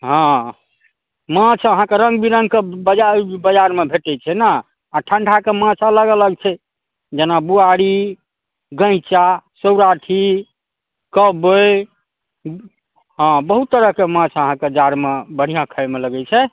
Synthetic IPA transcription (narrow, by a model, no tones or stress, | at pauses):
ɦɔ̃ | mãt͡ʃʰəɦãkeɾə̃ŋɡbiɾə̃ŋɡkebəd͡ʒabəd͡ʒaɾmebʱeʈɛt͡ʃʰɛna | aʈʰə̃ɳɖʰʱakemãt͡ʃʰələɡələɡt͡ʃʰɛ | d͡ʒenabuaɽi | ɡə̃ɪ̃t͡ʃasəwɾaʈʰi | kəbəj | ɦãbəɦut̪ːəɾəɦkemãt͡ʃʰəɦãked͡ʒaɾmebəɽ̤ijãkʰəɪmeləɡɛt͡ʃʰɛ